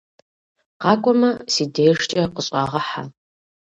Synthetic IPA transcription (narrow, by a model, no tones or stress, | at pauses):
qɑːkʷʼɔmɐsiːdejʂt͡ʃʼɐqəɕʼɑːʁɐħa̰